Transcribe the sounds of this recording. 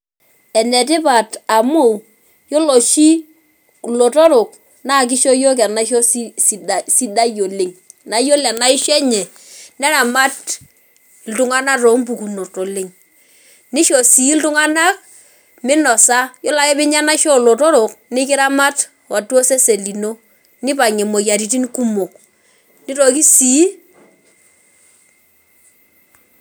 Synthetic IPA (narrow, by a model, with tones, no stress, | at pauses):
ɛ˨nɛ˨t̬ɪ˦pa˨ta˨mo˦˨w | jɔ˦lo˨ʃi˦ | lo˨tɔ˦ɾʊ˨k | na˦˨k̬ɪ˦ʃɔ˦jo˦k̬a˨na˦ʃɔ˦ssi˨da˨si˦da˦jo˨lɪ˨ŋ | na˨˦jo˦la˨na˦ɪ˦ʃɛ˦ɲɛ˨ | nɛ˦ɾa˨ma˦t | ltʊ˦ŋa˦na˦ro˨˦mpu˨ku˨no˨to˨lɪ˨ŋ | nɪ˦ʃɔ˨si˨˦ltʊ˦ŋa˦na˦k̚ | mɪ˦nɔ˨sa˦jɔ˦la˦kɛ˦bɪ˦ɲa˦na˦ʃɔ˦˨lo˨to˦ɾo˨knɪ˦kɪ˦ɾa˦ma˦t | wa˨tɔ˦se˦se˨li˨no˦ | nɪ˦pa˨ŋɛ˨mo˨ja˨ɾi˨ti˦nku˦mo˨k | nɪ˦ɾo˨ki˦si˨˦